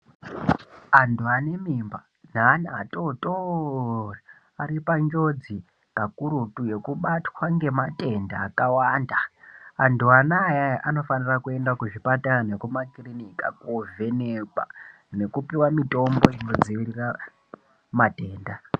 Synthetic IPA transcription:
antuane̞miːmba | n̤aːnatoto | ra | aɾipaɲd͡ʒo̞d͡zi | kakuɾutuje̞kuɓatwaŋɡe̞mate̞ndaːkawandaːntuanajaʔano̞fanirakue̞ndakuʐipatananekumakirinika̰kove̞neɓa̰ | ne̞kupiwamito̞mbo̞ino̞d͡ziʋirira | mate̞ːnda

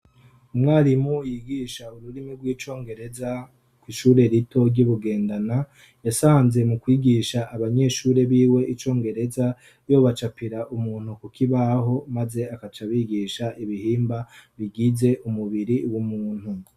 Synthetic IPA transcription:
umŋaːɾimujiɡiʃauɾuɾimiɡwiːt͡ʃo̞ːŋɡe̞ɾe̞za | kwiʃuːɾe̞ɾitʰo̞ɾɟuβuɡe̞ːndana | jasaːnze̞mukwiːɡiʃaʔːβaɲe̞ʃuːɾe̞βiːwe̞ʔit͡ʃo̞ːŋɡe̞ɾe̞za | jo̞ːβat͡ʃapiɾaʔumuːn̥hukukʰiβaɦo̞maze̞akat͡ʃaβiːɡiʃaʔiβihiːmbaβiɡize̞ʔumuβiɾiwumuːn̥hu

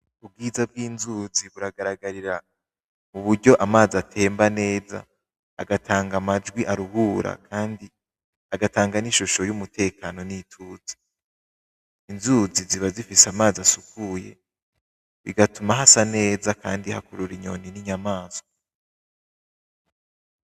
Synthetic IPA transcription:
ub̚ɡiːzab̚ɡiːnzuːziβuɾaɡaɾaɡaɾiɾa | muβuɾɟo̞ʔamaːziatʰe̞ːmbane̞ːza̰ː | ɡatʰaːŋɡamad͡ʒɡwiʔaɾuhuːɾʔa̰kʰaːndi | aɡataːŋɡaniʃuʃo̞jumutʰe̞ːkano̞nitʰuːzi̥ | inzuːziziβazifiseamaːziasukuje̞̰ | βḭɡatumaɦasane̞ːzaka̰ːndiha̰kuɾuɾiɲo̞̰niniɲamaːz̥o

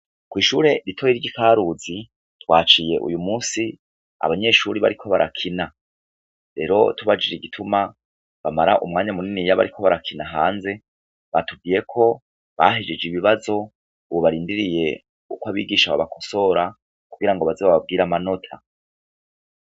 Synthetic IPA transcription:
kwiːʃuːɾe̞ɾitʰojiɾɟikaːɾuzi | twaːt͡ʃije̞ʔṵjumuːsi | a̰βaɲe̞ːʃuːɾiβa̰ɾikʰo̞βaɾʔakʰina | ɾe̞ːɾo̞̰tuβad͡ʒiɾiɡitʰuma | βamaɾaʔṵmŋaːɲamuninijaβa̰ɾikʰo̞βaɾakʰinaɦaːnze̞ | βatub̚ɡiːje̞kʰo̞ | βa̰ɦed͡ʒed͡ʒiβiβazo̞ | uβoβaɾiːndiɾije̞ | ukwaβiːɡiːʃaβa̰βakʰo̞so̞ɾa | kuɡiɾaŋɡoβazeβaβab̚ɡiːɾamano̞tʰa

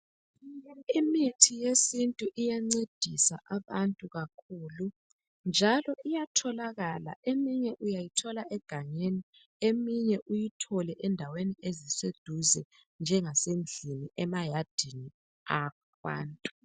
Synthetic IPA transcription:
imitʰijesintʼuʔijaŋ͡ǀed̥ʱisa̰ʔaβantʼuɣakʰuːlu | nd͡ʒʱalɔʔijatʰɔlaɣala̰ʔemiɲɛʔujajitʰɔlaʔɛɡ̥ʱaɲeni | emiɲɛʔujitʰɔlɛʔɛndʱaweniezised̥ʱuzɛ | nd͡ʒʱɛŋasen̩ɮʱiniɛmajad̥ʱini | ak | wa̰ːntʼu

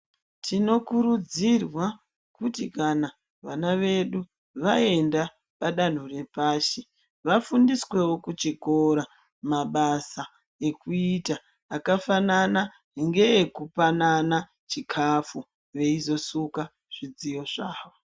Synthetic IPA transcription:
tʰino̞kuɾud͡zirwa | kutikana | ʋanaʋe̞ɗu | ʋae̞nda | paɗan̤ure̞paːʃe | ʋafundiswe̞wo̞kut͡ʃiko̞ɾa | maɓasa | ekuitaː | kafanana | ŋɡe̞ekupanana | t͡ʃikʰafu | ʋe̞izo̞suka | ʐ̥id͡zijo̞ʐaːʋo

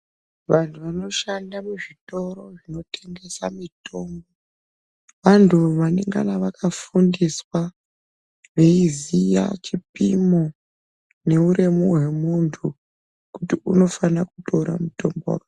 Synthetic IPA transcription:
ʋantʰuʋano̞ʃandamuʐito̞ɾo̞ʐino̞tʰe̞ŋɡe̞samito̞ːmbo | ʋantʰuʋane̞ŋɡa̰naʋakafundiswa | ʋe̞izija̰t͡ʃipimo̞ | ne̞uɾemuɦwe̞muntʰu | kutiuno̞fanakuto̞ɾa̰muto̞mbo̰ra

